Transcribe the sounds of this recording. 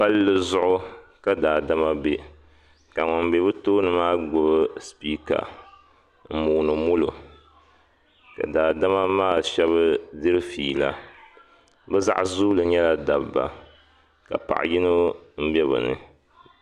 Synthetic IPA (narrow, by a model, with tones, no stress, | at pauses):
pa˦lːɨ˦zʊ˦ʔʊ˦ka˦daː˨da˦ma˦be˨ | ka˨ŋɔ˨mbe˨˦bɨ˦toː˦nɨ˨maː˦ɡʊ˨bɨ˦spiː˦ka̰˨ | m̩˦˨muː˨nɨ˨mʊ˦lo˨ | ka̰˨daː˨da˦ma˦maː˦˨ʃɛ˦βɨ˦dɨ˦ɾɨ˦fiː˨la̰˦ | bɨ˦za̰˦ʔzuː˦lɨ˨ɲɛ˦la˦da˨bba̰˨ | ka̰˨pa̰˨ʔji˦no˦m̩˦bɛ˦βɨ̰˨nɨ̰˦